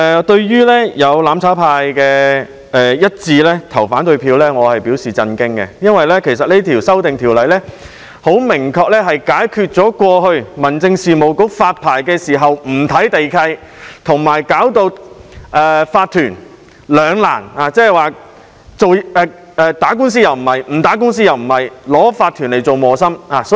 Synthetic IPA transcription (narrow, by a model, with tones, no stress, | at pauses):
ɛ˨t̪ɵ˧ɥjyː˥lɛː˥jɐ˨˧wlaː˨˧mt͡sʰaː˨˥wpʰaː˧jkɛː˧ | ɛː˨jɐ˥t̚t͡siː˧lɛː˥t̪ʰɐ˨˩wfaː˨˥nt̪ɵ˧ɥpʰiː˧wlɛː˥ŋɔː˨˧hɐ˨jpiː˨˥wsiː˨˩t͡sɐ˧nkɪ˥ŋkɛ̰˧jɐ˥nwɐ˨jlɛː˥kʰe˨˩js̬ɐ˨t̚ne˥t̪ʰiː˨˩wsɐ˥wt̪ɪ˨ŋt̪ʰiː˨˩wlɐ˨jlɛː˥ | ho˨˥wmɪ˨˩ŋkʰɔː˧k̚lɛː˥ɦɐ˨jkaː˨˥jkʰyː˧t̚t͡sɔː˨˥kʷɔː˧hɵ˧ɥmɐ˨˩nt͡sɪ˧ŋsiː˨mo˨˩wkʊ˨˥wfaː˧t̚pʰaː˨˩jkɛː˧siː˨˩ɦɐ˨wm̩˨˩t̪ʰɐ˨˥jt̪e˨jkʰɐ˧j | t̪ʰʊ˨˩ŋmaː˨˩jkaː˨˥wt̪o˧wʔɛː˧faː˧t̪̚ʰyː˨˩n | lœː˨˧ŋla̰ː˨˩naː˨t͡sɛː˥˨˩jwaː˨ | t͡so˨wɛː˧ | ɛː˧t̪aː˨˥kʊ˥ŋns̬iː˥jɐ˨wm̩˨˩hɐ˨jm̩˨˩t̪aː˨˥kʊ˥ŋs̬iː˥jɐ˨wm̩˨˩hɐ˨jlɔː˨˥faː˧t̪ʰːyː˨˩nle˨˩jt͡so˨wmɔː˨sɐ˥maː˨sɔ˨˥